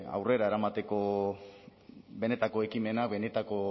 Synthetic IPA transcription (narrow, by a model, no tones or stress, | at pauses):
a̰wre̞ɾae̞ɾamat̪e̞ko̞ | be̞ne̞t̪ako̞e̞kime̞nakbe̞ne̞t̪ako̞